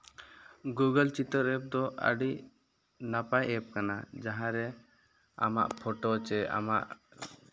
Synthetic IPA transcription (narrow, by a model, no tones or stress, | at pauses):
ɡuɡəlt͡ʃit̪əɾɛp̚d̪ɔʔə̰ɖi | napajɛp̚kanad͡ʒaɦãɾɛ | a̰ma̰ʔpʰɔʈɔt͡ʃɛa̰ma̰ʔ